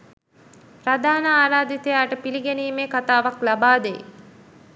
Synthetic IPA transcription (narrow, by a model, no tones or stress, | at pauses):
ɾad̪aːnəaːɾaːd̪it̪əjaːʈəpiliɡeniːmeːkat̪aːʋaklabaːd̪ḛj